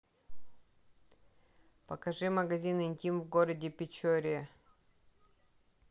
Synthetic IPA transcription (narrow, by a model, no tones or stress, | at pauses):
pɐkɐʐɨmɐɡɐzʲinɪnʲtʲimvɡoɾədʲɪpʲɪt͡ɕoɾʲɪə